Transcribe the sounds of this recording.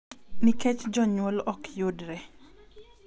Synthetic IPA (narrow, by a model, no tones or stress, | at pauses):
niket͡ʃd͡ʒɔɲwolɔkjʊdɾɛ